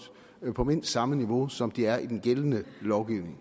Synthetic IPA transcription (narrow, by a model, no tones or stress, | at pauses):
pʰɒ̽me̝n̰sd̥sɑ̈məniʋo̝sɒ̽md̥iæɐid̥enɡ̥elənəlɒʊɡ̥iʊne̝ŋ